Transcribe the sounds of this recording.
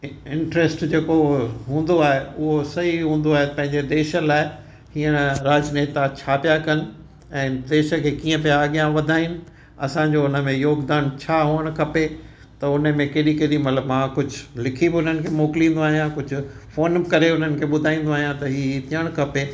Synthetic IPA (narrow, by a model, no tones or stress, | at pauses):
ɪ̃ɳʈɾeːsʈd͡ʑeːkoɦũːn̆d̪oaːɦeʊɦosɐiɦũːn̆d̪oaːɦepɐ̃ɦɪ̃ɲd͡ʑed̪eːʃə̆laːɪ | hiːəɽ̃ɾaːd͡ʑneːt̪ãt͡ɕʰaːpijakɐnɪ̆ | ɛ̃ːd̪eːʃə̆kʰeːkiːə̃pijaːɠijãʋɐd̪ʱaːinɪ̆ | ɐ̰sãɲd͡ʑoʊnəmẽjoːɡd̪aːnt͡ɕʰaːɦoːəɽ̃kʰɐpe | t̪ɐʊnə̆mẽkeɗikeɗimɐt̪ləbmãkʊd͡ʑʱʊlɪkʰibɪʊn̤ənɪ̆kʰemoːkɪlĩːn̆d̪oaːɦijãkʊd͡ʑʱʊ̆foːnkɐɾeʊn̤ənɪ̆kʰeːɓʊd̪ʱaːĩːn̆d̪oaːɦijãt̪ɐɦiːt̪ʰiəɽ̃kʰɐpeː